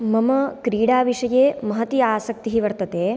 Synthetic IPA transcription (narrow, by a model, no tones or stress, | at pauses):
mɐmɐkɾiːɽaːʋiʂɐjeːmɐɦɐt̪iaːsɐk̚t̪iɦiʋɐɾt̪ɐt̪eː